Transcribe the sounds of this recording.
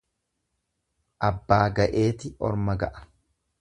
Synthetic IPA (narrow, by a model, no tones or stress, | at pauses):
ʔɐbːaːɡɐʔe̞ːt̪ɪʔɔ̰ɾmɐɡɐʔɐ̥